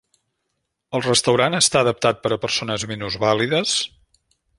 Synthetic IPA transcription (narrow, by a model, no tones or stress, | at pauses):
əlˠrəst̪əwɾanəst̪aəðəp̚t̪at̪̚pəɾəpəɾsonəzminuzβaliðəs